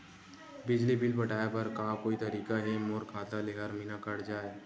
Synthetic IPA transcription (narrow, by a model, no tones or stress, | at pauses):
bɪd͡ʒlibɪlpɐʈʰaːepɐɾkaːkoːit̪ɐɾiːkaɦimoːɾkʰaːt̪aleːɦəɾmɪnakɐɽd͡ʒaːeː